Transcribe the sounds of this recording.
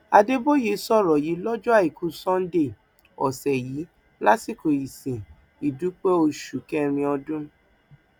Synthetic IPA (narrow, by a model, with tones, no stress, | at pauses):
a˧de˦bo˦ji˨˦sɔ˦˨ɾɔ˨ji˨˦lɔ˦d͡ʒɔ˦a˦˨i˨kʰu˧˦sɔ̃˦n̩˦de˦˨ | ɔ̰˨sɛ˨jiː˨˦ | la˦si˦˨ko˨i˨sĩ˨ | i˨du˨˦k͡pɛ˦o˧ʃu˨kɛ˦ɾ̃ĩ˧ɔ˧dũ˦